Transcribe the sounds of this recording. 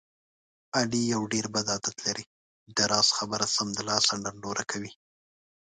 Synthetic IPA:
alijawɖeɾbad̪ɑd̪at̪laɾi | d̪aɾɑz̥xabəɾasamd̪əlɑsaɳɖanloɾakʰawi

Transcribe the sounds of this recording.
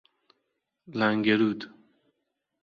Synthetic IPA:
laŋɡeɾud̪

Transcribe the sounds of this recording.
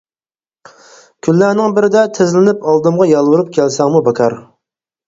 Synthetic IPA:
kʲʰylːænɪŋbɪɾɪd̪ɛt̪ʰɪzlɪnɪpɑlˠd̪ɨmʁɑjɑlˠwuɾup̚kʲʰɛlsɛŋmubɑkʰɑɾ

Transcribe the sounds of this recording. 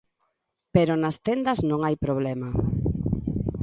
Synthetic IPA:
peɾonɐst̪end̪ɐznõŋajpɾoβlɛma

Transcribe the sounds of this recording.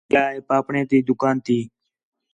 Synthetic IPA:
aːɦeːpaːpɳẽːt̪iːd̪ʊkaːnt̪iː

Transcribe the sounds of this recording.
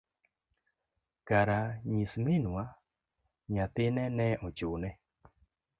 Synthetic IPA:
kaɾaɲismɪnwa | ɲat̪ɪnɛnɛʔɔt͡ʃʊnɛ

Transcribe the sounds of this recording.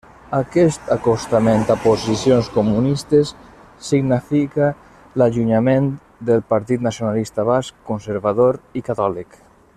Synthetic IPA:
akɛst̪akost̪amẽnt̪apozisjonskomunist̪esː | iɡnifika | laʒuɲamẽn | d̪əlpaɾt̪̬it̪nasjonalist̪aβaskːonseɾβaðoɾikat̪ɔlik

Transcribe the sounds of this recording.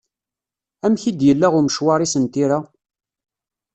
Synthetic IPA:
æmçid̪jəlːæʁʊɾməʃwɑɾˤisənt̪iɾa

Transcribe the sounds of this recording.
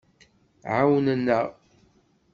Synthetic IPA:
ʕawnənːəʁ

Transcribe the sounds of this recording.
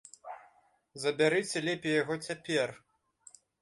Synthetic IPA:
zɐbʲaɾɨt͡sʲɛlʲɛpʲijaɣɔt͡sʲapʲɛr

